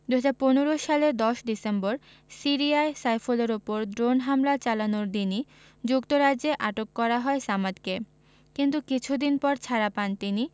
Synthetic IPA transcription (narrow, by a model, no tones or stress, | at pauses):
d̪uɦad͡ʑaɾponeɾoʃaleɾd̪ɔʃɖisemboɾ | siɾiaesajfoleɾopoɾdɾonɦamlat͡ɕalanoɾd̪ini | d͡ʑukt̪oɾad͡ʑeʔaʈokːɔɾaɦɔesamad̪ke | kint̪ukit͡ɕʰud̪inpɔɾt͡ɕʰaɾapant̪ini